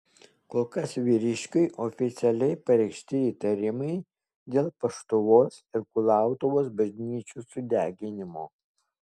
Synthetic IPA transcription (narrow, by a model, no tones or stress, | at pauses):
koːlˠkɐsʋʲiːɾʲɪʃʲkʲʊɪʔoːfʲɪt̪sʲɛlʲɛɪpɐɾʲɛɪkʃʲt̪ʲɪiːt̪ɐɾʲɪmɐɪ | d̪ʲeːlˠpɐʃt̪ʊʋoːsɪɾkʊlˠɑˑʊt̪oʋoːs̬bɐʒʲnʲiːt͡ʃʲuːsʊd̪ʲæːɡʲɪnʲɪmoː